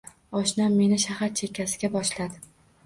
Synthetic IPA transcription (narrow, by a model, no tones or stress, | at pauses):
ɒʃnamːe̞nɪʃahaɾt͡ʃʰe̞kʰʲːasɪɡʲabɒʃlad̪ɪ